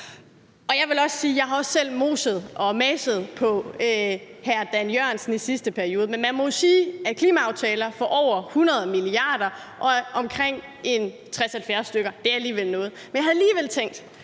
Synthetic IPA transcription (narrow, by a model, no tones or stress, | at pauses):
ʔɒ̽jɑ̈ɪʋe̝lɒ̽ssiːjɑ̈ɪɦɑ̈ɒ̽sːel̰mo̝ːsəð̞ˠʔɒ̽mɛsəð̞̩ˠpʰɒ̽øhæɐd̥ænjøɐ̰nsn̩isisd̥əpʰæɐio̝ːð̞̩ˠmenmænmɔ̽josiːækʰliːmæɑ̈ʊt͡sʰɛːlɐfɒʔɒʊ̰ɐhunɐð̞ˠmiliɑ̈ːd̥ɐ | ʔɒ̽ɒ̽mkʰʁeŋ̰ | e̝n | t͡sʰʁɛshæl̩fjæɐsd̥øɡ̥ɐd̥e̝æɐæliːʋel̰nɔ̽ːð̞̩ˠmenjɑahɑliːʋel̰t͡sʰeŋ̰d̥